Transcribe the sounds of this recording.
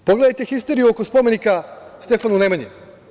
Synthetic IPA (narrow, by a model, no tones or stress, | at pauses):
poɡle̞d̪ajt̪exist̪e̞ɾijuokospo̞me̞nikast̪efanunemaɲi